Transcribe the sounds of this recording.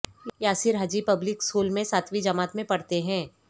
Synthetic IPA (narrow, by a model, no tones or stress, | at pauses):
jasɪɾɦɐd͡ʒipɐblɪkskuːlmẽsaːt̪ʰʋid͡ʒɐmaːt̪mẽpɐɽt̪eɦɛ̃ː